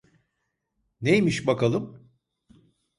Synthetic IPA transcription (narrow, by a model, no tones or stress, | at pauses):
nejmiʃbakʰalˠɯm